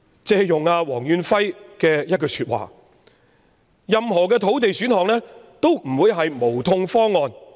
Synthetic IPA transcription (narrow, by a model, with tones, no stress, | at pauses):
t͡sɛː˧jʊ˨˩ŋaː˧wɔː˨˩ŋjyː˨˧nfɐ˥jkɛː˧jɐ˥t̚kɔː˧syː˧t̚wa̰ː˨˩ | jɐ˨mɦɔː˨˩kɛː˧t̪ʰo˨˥wt̪̬e˨jsyː˨˥nhɔː˨ŋlɛː˥t̪o˥wm̩˨˩wuː˨˧jɦɐ˨jmo˨˩wt̪ʰʊ˧ŋfɔː˥ŋːɔː˧n